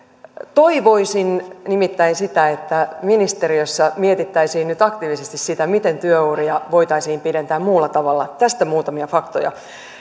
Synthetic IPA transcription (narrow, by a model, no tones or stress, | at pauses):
t̪o̞iʋo̞isinnimit̪ːæinsit̪æet̪ːæminist̪eɾiøsːɑmiet̪it̪ːæisiːnnyt̪ɑkt̪iːʋisest̪issit̪æmit̪ent̪yøuriɑʋojt̪ɑisiːmpide̞nt̪æːmmuːlːɑt̪ɑʋɑlːɑt̪æst̪æmuːt̪ɑmiɑfɑkt̪o̰jɑ̰